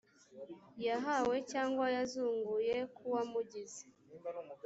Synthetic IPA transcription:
jaɦawe̞caːŋɡwajazuːŋɡujekʰuwamuɟize̥

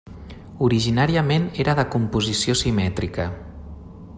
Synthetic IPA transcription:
uɾiʒinaɾiəmeneɾəðəkumpuzisiosimɛt̪ɾikə

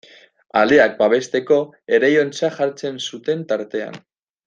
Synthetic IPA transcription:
a̰le̞ak̚baβe̞st̪e̞ko̞ | e̞ɾejo̞nt͡saʝaɾt͡se̞nsut̪e̞nt̪aɾt̪e̞a̰n

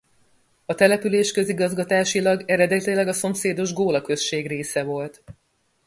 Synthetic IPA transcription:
ɒt̪ɛlɛpyleːʃkø̞ziɡɒzɡɒt̪aːʃilɒɡɛɾɛd̪ɛt̪ilɛɡɒso̞mseːd̪o̞ʒɡoːlɒkø̞ʃʃeːɡreːsɛvo̞lt̪

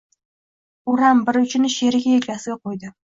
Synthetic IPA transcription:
ʊɾambɪɾʊt͡ʃʰɪnɪʃe̞ɾɪɡʲajeɾkʲasɪɡʲaqʰojd̪ɪ

